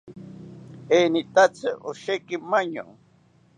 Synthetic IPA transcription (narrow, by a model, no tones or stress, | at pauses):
enit̪at͡sɨʔoʃekɪmaɲo̰